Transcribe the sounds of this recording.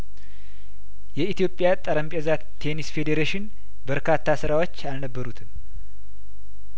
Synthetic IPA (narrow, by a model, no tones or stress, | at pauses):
jɛit̪jo̞pʼːjat̪ʼəɾəmpʼezat̪ʰːe̞nisfe̞d̪eɾeʃɪn | bəɾkʰat̪ʰːasɨɾawo̞t͡ʃːalnəbːəɾut̪ʰɨm